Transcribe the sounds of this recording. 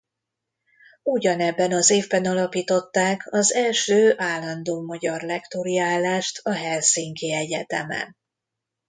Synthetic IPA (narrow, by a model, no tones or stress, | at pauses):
uɟɒnɛbːɛnɒzeːvbɛnɒlɒpiːt̪o̞t̪ːaːkʰɒzɛlʃøːʔaːlːɒnd̪oːmɒɟɒrlɛkt̪oɾiaːlːaːʃt̪ɒɦɛlsiːŋkiɛɟɛt̪ɛmɛ̰n